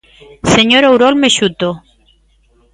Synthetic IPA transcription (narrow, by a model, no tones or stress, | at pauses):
seɲoɾowɾolmeʃut̪o